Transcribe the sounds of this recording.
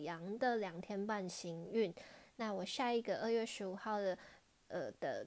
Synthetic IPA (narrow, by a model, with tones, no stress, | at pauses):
jɑ˧˥ŋd̪ə˨ljɑ˨˩ŋt̪ʰjɛ˥npa˥˨nɕi˧˥ŋy˥˩nna˥˩wɔ˨˩ɕja˥˧i˥˩ɡə˧ʔə˥˧ɥɛ˥˩ʂɻ̩˧˥u˨˩xɑ˥˩ʊd̪ə˩ | ə˨˩d̪̥ə̰˨˩